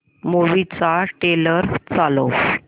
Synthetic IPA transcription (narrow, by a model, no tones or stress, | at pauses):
moʋit͡saʈeləɾt͡salo